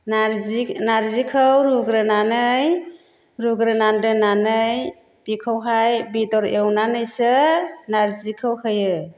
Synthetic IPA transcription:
naɾzinaɾzikʰɯwɾuɡɾɯnanɯj | ɾuɡɾɯnandɯnanɯj | bikʰawɦajbidɔɾewnanɯjsɯnaɾzikʰɯwhɯjɯ

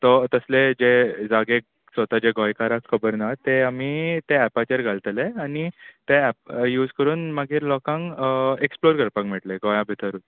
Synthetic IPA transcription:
t̪ɔt̪əsled͡ʑed͡zaɡe | sʋət̪ad͡ʑeɡɔjkaɾakʰːəbəɾnat̪eamit̪eæpat͡ɕəɾɡʱalt̪leanit̪eɛp̚juːd͡zkəɾuːnmaɡiːɾlɔkãŋkeksploɾkəɾpãŋkmɛʈleɡɔjãbʱit̪ʰəɾuːt̪

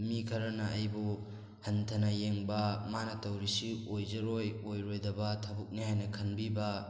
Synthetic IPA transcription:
mikʰɐɾɐnɐʔɐjbu | hɐntʰɐnɐjeŋbɐmanɐtɐwɾisiojzɐɾojojɾojdɐbɐtʰɐbuk̚nihajnɐkʰɐnbibɐ

